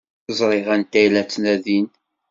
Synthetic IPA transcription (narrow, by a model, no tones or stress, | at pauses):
zˤɾˤɪʁænt̪æjlæt͡sːnæðin